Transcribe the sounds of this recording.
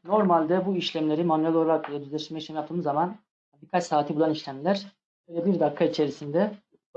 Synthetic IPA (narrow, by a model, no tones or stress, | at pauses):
no̞ɾmalʲd̪ɛbuiʃlʲæmlʲe̞ɾimanuɛlʲoɾakʰalˠab̪yzlʲeʃimɛʃemjap̚t̪ɯːmɯzaman | fad̪ikʰalsaːt̪ʰibulˠaniʃlʲæmlʲæɾ̥ | øjlʲɛbiɾd̪akʰːait͡ʃʰe̞ɾisind̪ɛ